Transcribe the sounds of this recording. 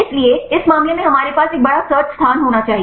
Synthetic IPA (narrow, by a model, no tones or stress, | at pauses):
eslieɪsmamjəneɦəmaɾepasek̚bəɭasət͡ʃst̪ʰanɦoñat͡ʃaɦi